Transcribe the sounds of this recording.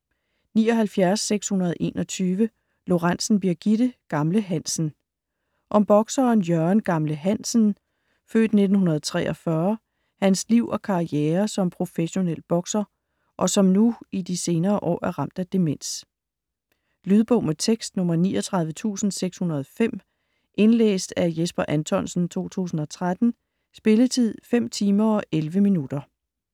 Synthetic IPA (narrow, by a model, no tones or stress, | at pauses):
nḭːɒ̽ɦælfjæɐsːeɡ̥shunɐð̩ˠʔe̝̰ːnɒ̽t͡sʰyːʋə | lo̝ʁɑn̰sn̩b̥iɐɡ̥iɾ̥əɡ̥ɑ̈mləɦæn̰sn̩ | ʔɒ̽mb̥ɒ̽ɡ̥sɐːnjœɐnɡ̥ɑ̈mləɦæn̰sn̩ | fø̰ːd̥ne̝d̥n̩hɦunɐð̞̩ˠt͡sʰʁɛ̰ːʔɒ̽fɶɐ | hænsliʊ̰ɒ̽kʰɑ̈ieːɐsɒ̽mpʰʁo̝feɕo̝nel̰b̥ɒ̽ɡ̥sɐ | ʔɒ̽sɒ̽mnuid̥ise̝ːnɐːʔɒ̰ːʔæɐʁɑ̈m̰d̥æd̥e̝men̰s | lyðˠb̥ɔ̽ʊmet͡sʰeɡ̥sd̥nɔ̽mɐniːɒt͡sʰʁɑ̈ð̞ˠʋət͡sʰṵːsn̩seɡ̥shunɐð̞ˠɒfem̰ | ʔe̝nlḛːsd̥æɐjesb̥ɐʔænt͡sʰɒ̽n̰sn̩t͡sʰo̝̰ːt͡sʰṵːsn̩ɒ̽t͡sʰʁad̥n̩ | sb̥e̝lət͡sʰið̞̰ˠfem̰t͡sʰiːmɐɒ̽ʔelʋəminud̥ɐ